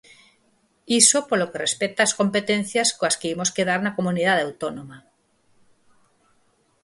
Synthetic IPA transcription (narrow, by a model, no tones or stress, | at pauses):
isopolokerespet̪aːsko̞mpet̪ẽn̟θjaskoaskeimoskeð̞aɾnakomunið̞aðawt̪onoma